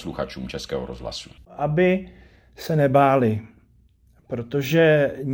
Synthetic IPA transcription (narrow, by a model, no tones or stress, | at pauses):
sluxat͡ʃuːmt͡ʃɛskɛːɦoɾozɦla̰su̥ʔabɪ | sɛnɛbaːlɪ | pɾo̞t̪oʒɛ